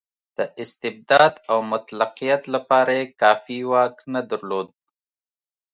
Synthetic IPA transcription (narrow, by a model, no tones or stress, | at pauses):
d̪̥əɪst̪ɪb̚d̪ɑd̪awmʊt̪laqijat̪lapɑːɾajekɑːfiwɑknad̪aɾlod̪̚